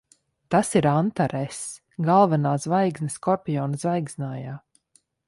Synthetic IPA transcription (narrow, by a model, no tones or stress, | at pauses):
t̪asiɾant̪aɾɛs | ɡalˠvanaːzvajɡznɛskɔɾpʲijɔːnzvajɡznaːjaː